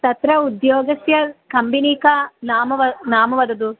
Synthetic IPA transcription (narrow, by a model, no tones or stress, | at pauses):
t̪ɐt̪ɾɐud̪joːɡɐsjɐkɐmbiniːkɐnaːmɐʋɐnaːmɐʋɐd̪ɐd̪u